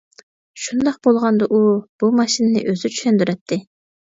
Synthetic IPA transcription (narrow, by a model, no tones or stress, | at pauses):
ʃund̪ɑq̚bolˠʁɑnd̪ɑʔub̥umɑʃinɪnɪ̰ʔøzyt͡ʃʰy̥ʃɛnd̪yɾɛt̪ʰːɪ